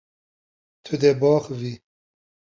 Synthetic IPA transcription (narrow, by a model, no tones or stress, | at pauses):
t̪ʰɨd̪ɛbɑːxvi